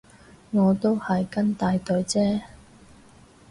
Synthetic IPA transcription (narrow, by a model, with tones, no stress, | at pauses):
ŋɔː˨˧t̪o˥whɐ˨jkɐ˥nt̪aː˨˧jt̪ɵ˨ɥt͡sɛː˥